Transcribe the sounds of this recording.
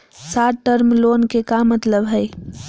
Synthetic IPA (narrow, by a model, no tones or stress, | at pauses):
saʈʈəɾmlonkekamːət̪ləbɦəj